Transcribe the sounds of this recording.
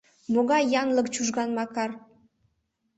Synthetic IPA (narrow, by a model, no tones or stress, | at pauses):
moɣɑjjɑnləkt͡ɕuʒɣɑnmɑkɑr